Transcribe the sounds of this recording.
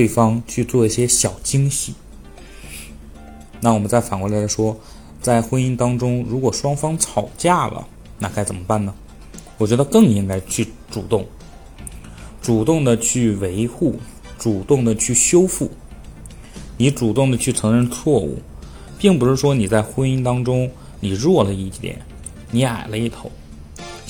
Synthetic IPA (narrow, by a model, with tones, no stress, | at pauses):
t̪we˥˩ɪfɑ˥ŋt͡ɕʰy˥˧t͡swɔ˥˧i˥˩ɕjɛ˥ɕjɑ˨˩ʊt͡ɕi˥ŋɕḭ˨˩˦ | na˥˩wɔ˨˩mə˦nt͡sa˥˩ɪfa˨˩nxwla˧˥ə˧ʂwɔ˥ | t͡sa˥˩ɪxwə˥ni˥˧ŋt̪ɑ˥ŋʈ͡ʂʊ˥ŋɻu˧˥kwɔ˨˩ʂwɑ˥ŋfɑ˥ŋt͡sʰɑ˨˩ʊt͡ɕja˥˩lə̰˩ | na˥˩ka˥˩ɪt͡sə˨˩nmə˦pa˥˩nnə˩ | wɔ˨˩t͡ɕɥɛ˧˥d̪ə˧kɤ˥˩ŋi˥ŋka˥ɪt͡ɕʰy˥˩ʈ͡ʂu˨˩t̪ʊ˥˩ŋ | ʈ͡ʂu˨˩t̪ʊ˥˩ŋd̪ə˩t͡ɕʰy˥˩we˧˥ɪxu˥˩ | ʈ͡ʂu˨˩t̪ʊ˥˩ŋd̪ə˩t͡ɕʰy˥˩ɕjo˥ʊfu˥˩ | ni˧˥ʈ͡ʂu˨˩t̪ʊ˥˩ŋd̪ə˩t͡ɕʰy˥˩t͡sʰɤ˧˥ŋɻə˥˧nt͡sʰwɔ˥˧ṵ˥˩ | pi˥˩ŋp̬u˧˥ʂɻ̩˥˩ʂwɔ˥ni˨˩t͡sa˥˩ɪxwə˥ni˥ŋt̪ɑ˥ŋʈ͡ʂʊ˥ŋ | ni˨˩ɻwɔ˥˩lə˩i˥˩t̪jɛ̰˨˩˦n | ni˧˥a̰˨˩ɪlə˦i˥˩t̪ʰo˧˥ʊ